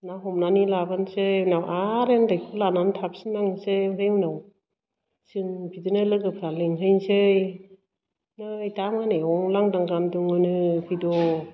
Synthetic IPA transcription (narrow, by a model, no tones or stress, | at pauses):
naɦɔmnanilabansɯjnawʔaɾendajkʰulanantʰap̚siŋnaŋsɯjmɾeŋnaw | sɯŋbidɯnɯlɯɡɯpʰɾaleŋɦɯjnsɯj | nɯjtamaneɔŋlaŋdaŋɡanduŋɯnɯpʰidɔ